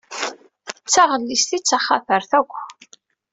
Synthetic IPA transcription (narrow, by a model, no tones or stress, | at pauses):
t͡sːaʁəlːist̪it͡sːaχaθəɾθækʷː